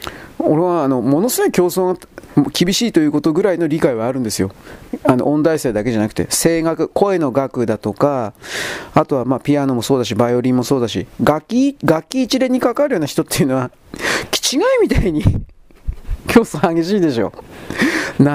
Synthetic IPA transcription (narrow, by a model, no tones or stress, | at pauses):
o̞ɾe̞βaːno̞mo̞no̞sɨɡo̞ikʲo̞ːsoːa | mkʲibʲiɕiːt̪o̞jɯ̟ːko̞t̪o̞ɡɯ̟ɾaino̞ɾʲikaiβaːɾɯ̟̃nd̪e̞sɨjo̞ano̞̰ʔõ̞nd̪aise̞ːd̪ake̞ʑanakɯ̟̥t̪e̞̰se̞ːɡakɯ̟ko̞e̞no̞ɡakɯ̟d̪at̪o̞ka | at̪o̞βamaːpʲijano̞mo̞so̞ːd̪aɕ̬ibajo̞ɾʲĩːmːo̞so̞ːd̪aɕḭɡakʲːiɡakʲːiːt͡ɕiɾe̞ɲ̟ːikakaɾɯ̟jo̞ːnaçi̥t̪o̞t̪ːe̞jɯ̟no̞βa | kʲi̥t͡ɕiɡaimʲit̪aiɲ̟i | kʲʰo̞ːsõaɡe̞ɕ̬iːd̪e̞ɕo̞̰ | na